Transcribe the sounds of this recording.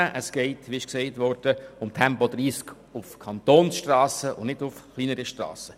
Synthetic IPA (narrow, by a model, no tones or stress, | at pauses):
əʔəsɡ̥ɛɪtʋiɪʃksɛɪtʋɔɾd̥əʊmtʰɛmpɔd̥ɾiːsk | ʊfkʰɑntoːnsʃtrɑːsəʊ̰nnɪdʊfχliːnəɾəʃtrɑ̰ːsə